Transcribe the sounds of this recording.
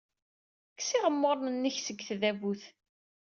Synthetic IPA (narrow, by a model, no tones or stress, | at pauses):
kːsiʁəmːʊɾˤnənːəçsəɡːθðævuθ